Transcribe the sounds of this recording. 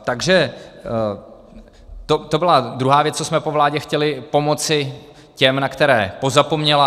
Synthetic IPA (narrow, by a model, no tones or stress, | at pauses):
t̪aɡʒɛ | t̪ot̪o̞bɪlad̪ɾuɦaːvjɛt͡st͡sosmɛpo̞vlaːɟɛxcɛlɪpo̞mo̞t͡sɪ | cɛmnakt̪ɛɾɛːpo̞zapo̞mɲɛla